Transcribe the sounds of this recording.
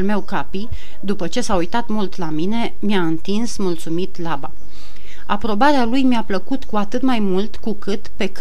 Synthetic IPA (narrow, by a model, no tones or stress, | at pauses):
lme̞wkapi | d̪upət͡ʃe̞saujt̪at̪mult̪lamine̞ | mjaɨnt̪insmult̪sumit̪laba̰ | a̰pɾo̞baɾealujmjapləkut̪kuat̪ɨt̪majmult̪kukɨt̪pe̞k